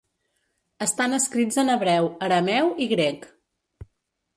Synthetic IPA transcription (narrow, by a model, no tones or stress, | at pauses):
əst̪anəskɾid͡zənəβɾɛwəɾəmɛwiɣɾɛk